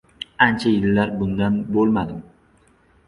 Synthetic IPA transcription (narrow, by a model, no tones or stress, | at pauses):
ant͡ʃʰajɪlːaɾbʊnd̪anbolˠmad̪ɪm